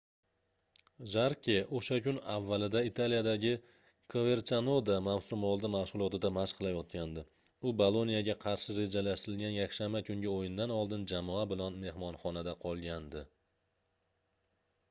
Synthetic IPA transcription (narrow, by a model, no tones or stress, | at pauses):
ʒaɾkʲʰeʔoʃakʲʊnavːalɪd̪ait̪ʰalijad̪aɡʲɪ | kʰove̞ɾt͡ʃanod̪amawsʊmɒlˠd̪ɪmahʃʁʊlˠɒt̪ɪd̪amaʃqʰɨlˠajɒt̪̚kʲʰand̪ɪ | ʊbolˠo̞nijaɡʲaqʰɑɾʃɪɾe̞d͡ʒalaʃt̪ɪɾɪlɡʲanjakʲʃammakʰʊŋɡʲɪojɪnd̪anɒlˠd̪ɪnd͡ʒamɒabɪlanme̞hmɒnχɒnad̪aqʰɒlˠɡʲand̪ɪ